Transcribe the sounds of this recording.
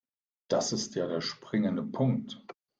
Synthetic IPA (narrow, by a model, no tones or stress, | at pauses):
d̥asɪstjaːdeːɐʃpʁ̥ɪŋəndəpʰʊŋk̚t